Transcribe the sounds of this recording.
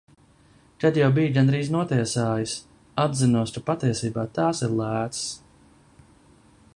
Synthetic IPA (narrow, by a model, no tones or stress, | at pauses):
kad̪jawbijɡand̪ɾiːznuɔt̪iɛsaːjis | ad̪zinuɔskapat̪iɛsiːbaːt̪aːsiɾlˠæːt̪ss